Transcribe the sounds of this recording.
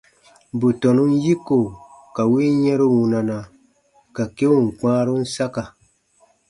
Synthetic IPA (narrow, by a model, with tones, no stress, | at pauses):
bu˨tɔ˨nu˦n˦ji˦ko˨ka˨wi˦jɛ˦ɾu˦wũ˨na˨na˨ | ka˨ke˦wũ˦˨ŋ̩˨k͡pãː˦ɾu˦n̩˦sa˦ka˨